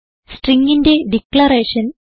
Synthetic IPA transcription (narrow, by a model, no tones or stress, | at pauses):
sʈriŋɡinde̞ɖikɭɐɾeːʂɐn